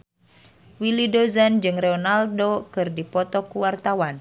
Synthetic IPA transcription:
wilidozand͡ʒɨŋrɛɔnaldokɨrdipɔt̪ɔkuwart̪awan

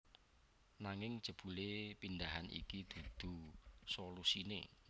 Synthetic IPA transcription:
naŋɪŋd̥ʒ̥ə̤b̥ṳlepind̪aɦanḭkid̪̥ṳd̪̥ṳsolusinḛ

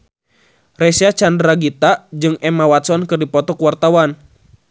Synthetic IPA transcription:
rɛsiat͡ʃandɾaɡit̪ad͡ʒɨŋɛmawat̪sɔnkɨrdipɔt̪ɔkuwart̪awan

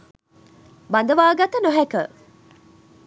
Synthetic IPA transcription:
band̪əʋaːɡat̪ənoɦɛkə

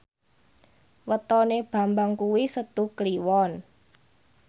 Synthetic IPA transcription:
wət̪ɔneb̥a̤mbaŋkuwisət̪ukliwɔn

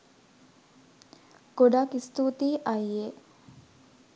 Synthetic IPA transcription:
ɡ̥oɖakist̪ut̪iːʔaje

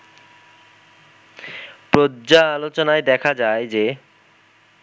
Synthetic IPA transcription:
pɾod͡ʑaalot͡ɕonaed̪ɛkʰad͡ʑaed͡ʑe

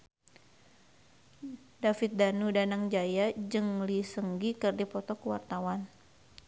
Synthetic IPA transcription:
dafit̪̚danudanaŋd͡ʒajad͡ʒɨŋlisəŋɡikərdipɔt̪ɔkəwa̰rt̪awan

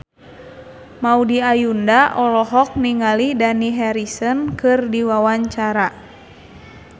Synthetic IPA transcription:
maudiajundaʔɔlɔɦɔk̚niŋalidaniɦɛɾisənkɨrdiwawaɲt͡ʃaɾa

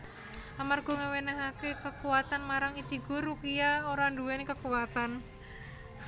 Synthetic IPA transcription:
amarɡ̥ɔ̤ŋəwenəɦakekəkuwat̪anmaɾaŋid̥ʒ̥i̤ɡ̥ɔ̤rukijaoɾanduwɛnkəkuwat̪an

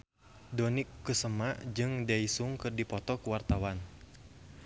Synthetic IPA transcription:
dɔnikːəsəmaʔd͡ʒɨŋdaisuŋkɨrdipɔt̪ɔkuwart̪awan

